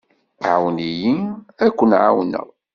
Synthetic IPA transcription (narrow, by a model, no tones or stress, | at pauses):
ʕa̰wnijiækʷːənʕa̰wnə̰ʁ